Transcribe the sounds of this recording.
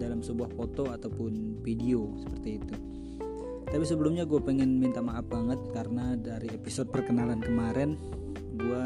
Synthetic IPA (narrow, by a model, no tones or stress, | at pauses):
dalamsəbuahfot̪oat̪awpʊnfidiosə̥pərt̪iːt̪u | t̪apis̬əbəlumɲaɡuapeŋɪnmint̪amaʔːp̚baŋət̪̚kaɾənadaɾiepisod̚pərkənalankəmaɾɛn | ɡua